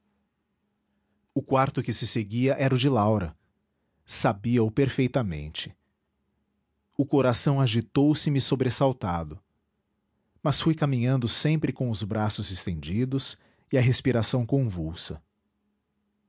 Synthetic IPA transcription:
ʊkwaɾt̪ʊkɪsɪseɡiɐʔɛɾʊd͡ʒɪlawɾɐ | sabiɐʊpeɾfejt̪ɐmḛ̃nt͡ʃɪ̥ | ʊkoɾasɐ̃w̃aʒit̪owsɪmɪsobɾesawt̪ad̪ʊ | mɐsfujkamĩɲɐ̃nd̪ʊsẽmpɾɪkõw̃ʊzbɾasʊzɪst̪ẽnd͡ʒid̪ʊs | ɪɐɦespiɾasɐ̃w̃kõvuwsɐ̰

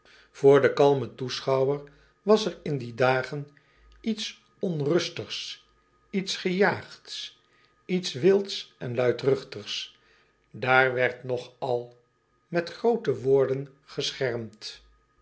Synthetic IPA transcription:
v̥ʊːɹdəkɑlˠmətusχɑwəɹ | ʋɑsɛɹɪndidaːχən | its | ɔnrɵstəχs | itsχəjaːχts | itsʋɪlˠtsɛnlœɥtrʏχtəχs | daːɹʋɛɹtnɔχɑlˠ | mɛtχrowtəʋʊːɹdən | χəsχɛɹmt

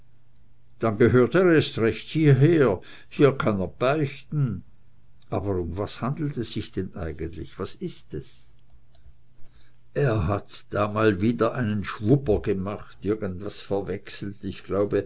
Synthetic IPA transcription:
d̥anɡəɦøːɐteːɐʁestʁɛçthiːɐɦeːɐ | hiːɐkʰanɛɐb̥aʏçtn̩ | ʔa̰ːbəʁʊmvashandl̩tɛsz̥ɪçd̥ɛnʔaɪɡəntlɪ̰çv̥asɪstɛs | ʔeːɐɦatd̥aːmaːlviːdɐʔaɪnənʃvʊpɐɡəmaχtɪɐɡəntv̥asfɛɐvɛksl̩tɪçɡ̥laʊbə

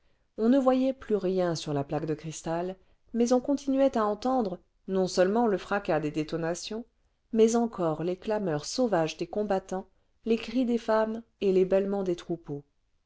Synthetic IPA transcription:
ɔ̃nəvwajɛplyʁjɛ̃syʁlaplaɡd̪əkχist̪al | mɛzɔ̃kɔ̃t̪inɥɛt̪aɑ̃t̪ɑ̃d̪ʁə | nɔ̃sœlmɑ̃ləfχakad̪ed̪et̪ɔnasjɔ̃ | mɛzɑ̃kʰɔʁleklamœʁsovaʒd̪ekɔ̃bat̪ɑ̃ | lekχid̪efamelebɛlmɑ̃d̪et̪χupo

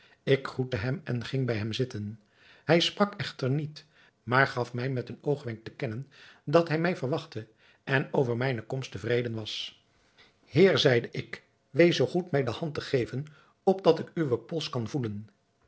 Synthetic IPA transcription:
ɪkχrutəɦɛmɛnχɪŋbɛjɦɛmzɪtən | hɛjsprɑkɛχtəɹnit | maːɹχɑfmɛjmɛtənowχʋɛŋk̚təkɛnəndɑtɦɛjmɛjvəɹʋɑχtə | ʔɛnowvəɹmɛjnəkɔmstəvrejdənʋɑs | hɪːɹzɛjdəʔɪk | ʋejsowχutmɛjdəhɑntəχejvən | ɔb̚dɑtɪkyʋəpɔlˠskɑnvulən

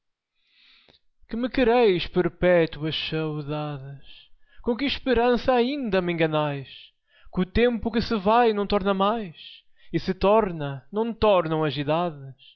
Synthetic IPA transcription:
kɨmɨkɨɾejʃpɨɾpɛt̪wɐʃsɐwðaðɨʃkõkɨʃpɨɾɐ̃sɐːĩnd̪ɐmẽŋɡɐnajʃ | kut̪ẽmpʊkɨsɨvajnɐ̃w̃t̪ɔɾnɐmajʃ | isɨt̪ɔɾnɐnɐ̃w̃t̪ɔɾnɐ̃w̃ɐziðaðɨʃ

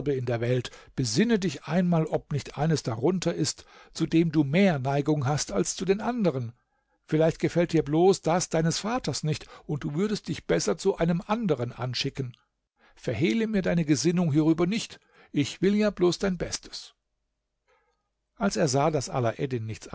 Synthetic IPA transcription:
bəɪndeːɐvɛltb̥əzɪnədɪçʔaɪnmaːlʔɔpnɪçtʔa̰ɪnəsd̥aʁʊntʰɐɪst | t͡sudeːmduːmeːɐnaɪɡʊŋɦastalst͡sudeːnʔandəʁ̞ən | fɪlaɪçt̚ɡ̥əfɛlt̚d̥iːɐbloːsd̥asd̥aɪnəsfaːtɐsnɪçtʊnt̚d̥uːvʏɐdəst̚d̥ɪçb̥ɛsɐt͡suʔaɪnəmʔandəʁənʔa̰nʃɪkən | fɛɐɦeːləmiːɐdaɪnəɡəzɪnʊŋɦiːʁ̞yːbɐnɪçt | ʔɪçv̥ɪljaːbloːsd̥aɪnbɛstʰə̥s | ʔalseːɐzaːdasʔa̰laʔɛdɪnːɪçt͡s

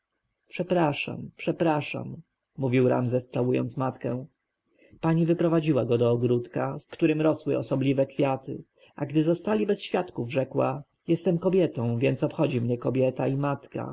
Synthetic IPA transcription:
pʂɛpɾaʂa̰mpʂɛpɾaʂa̰mː | uvʲiwɾa̰mzɛst̪sawujɔ̰nt̪smat̪kɛ̃ | paɲivɘpɾɔvad͡ʑiwaɡɔd̪ɔːɡɾut̪kakt̪uɾɘmɾɔswɘʔɔsɔblʲivɛkfʲjat̪ɘ̰ | ʔaɡd̪ɘzɔst̪alʲibɛsɕfʲjat̪kuvʐɛkwa̰ | jɛst̪ɛmkɔbʲjɛt̪ɔ̃w̃vʲjɛnt̪sɔpxɔd͡ʑimɲɛkɔbʲjɛt̪aimat̪ka̰

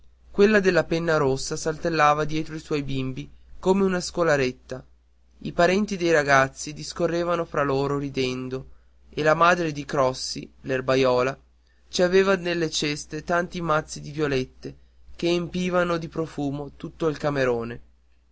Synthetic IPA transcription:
kwelːad̪elːapɛnːaɾosːasalt̪elːaːvad̪jɛːt̪ɾoiswɔjbimbikoːmeunaskolaɾet̪ːa | ipaɾɛnt̪id̪ejɾaɡat̪sːid̪iskorːeːvanofɾaloːɾoɾid̪ɛnd̪o | elamaːd̪ɾed̪ikɾɔsːilerbajɔːla | t͡ʃiaveːvanelːet͡ʃɛst̪et̪ant̪imat̪sːid̪ivjolet̪ːe | k̟eːmpiːvanod̪ipɾofuːmot̪ut̪ːoilkameɾoːne

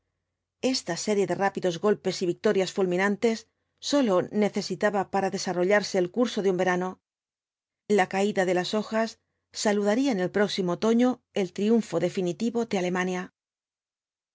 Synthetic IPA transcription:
e̞st̪ase̞ɾje̞ðe̞rapiðo̞zɣo̞lpe̞siβik̚t̪o̞ɾjasfulmĩnant̪e̞sː | o̞lo̞ne̞θe̞sit̪aβapaɾaðe̞saro̞ʎaɾse̞ːlkuɾso̞ðeumbe̞ɾano̞ | lakaiðaðe̞laso̞xasː | aluðaɾiaene̞lpɾo̞ksimoot̪o̞ɲo̞ | e̞lt̪ɾiuɱfo̞ðe̞finit̪iβo̞d̪eale̞manja

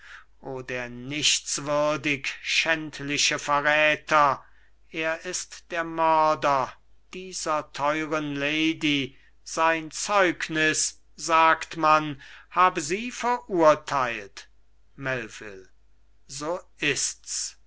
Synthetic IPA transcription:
ʔoːdeːɐnɪʃtt͡sv̥ʏɐdɪkʃɛntʰlɪʃəfɛɐʁɛːtʰɐ | ʔeːɐʔɪstd̥eːɐmœɐdɐ | d̥iːzɐtʰɔʏʁənleɪdi | z̥aɪnt͡sɔʏknɪs | z̥aːktmanhaːbəziːfɛɐʔuɐtʰaɪlt | mɛlvɪ̰l | zoːɪsts

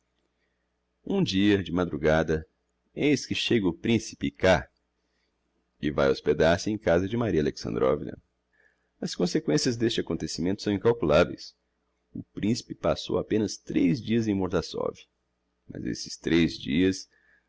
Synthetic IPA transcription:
ũd͡ʒiɐd͡ʒɪmad̪ɾuɡad̪ɐ | ejskɪʃeɡɐʊpɾĩsi̥pɪka | ɪva̰josped̪aɾsɪẽj̃kazɐd͡ʒɪmaɾiɐaleksɐ̰̃nd̪ɾɔ̰vḭnɐ̰ | ɐskõsekwẽsiɐzd̪est͡ʃɪakõnt̪esimẽnt̪ʊ̥sɐ̃w̃ĩŋkawkulavḛjs | ʊpɾĩsi̥pɪpaso̰wapẽnɐst̪ɾezd͡ʒiɐzẽj̃moɾd̪asɔ̰vi | mɐ̰zḛsɪ̥st̪ɾezd͡ʒḭɐs

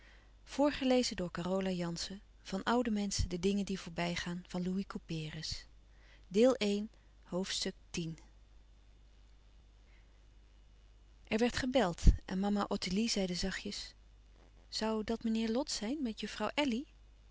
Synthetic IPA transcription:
v̥ʊːɹχəlejzədʊːɹkarowlajɑnsə | v̥ɑnʔʌwdəmɛnsədədɪŋəndivʊːɹbɛjχaːnv̥ɑnluikupɪːrəs | dɪːlˠejn | ɦowftstɵk̚tin | ʔɛɹʋɛɹtχəbɛlˠtʔɛ̰nmɑmaʔɔtilizɛjdəzɑχjəs | z̥ɑwdɑtmənɪːɹlɔtsɛjnmɛtjɵfrɑwʔɛli

